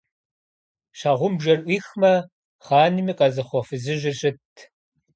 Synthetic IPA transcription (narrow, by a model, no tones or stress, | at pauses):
ɕaːʁʷʊmbʒɐnʔʷiːxmɐ | χɑːnimiːqʼɐzɨχʷɔfɨzɨʒɪɕʼɪtʰ